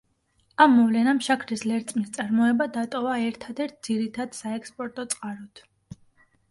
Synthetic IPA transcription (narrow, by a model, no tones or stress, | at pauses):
amːɔvlɛnamʃakʰɾislɛɾt̪sʼmist̪sʼaɾmɔɛbad̪at̪ʼɔvaɛɾt̪ʰad̪ɛɾt̪̚ʰd̪z̥iɾit̪ʰad̪̥saɛkspʼɔɾt̪ʼɔt̪sʼqʼaɾɔt̪ʰ